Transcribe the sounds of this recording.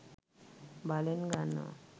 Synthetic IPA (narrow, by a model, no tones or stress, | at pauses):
balenɡanːa̰